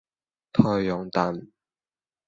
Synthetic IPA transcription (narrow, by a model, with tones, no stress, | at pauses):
t̪ʰɔː˧jjɔ˨˧˥ŋt̪a˨˩n